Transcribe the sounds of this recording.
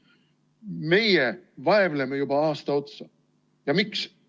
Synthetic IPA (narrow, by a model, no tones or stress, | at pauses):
me̞jevɑevlemejubɑɑːst̪ɑo̞t̪sɑ | jɑmiks